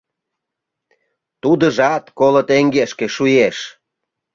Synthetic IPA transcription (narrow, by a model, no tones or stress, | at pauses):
t̪ud̪əʒɑt̪kolə̆t̪eŋɡeʃkeʃujeʃ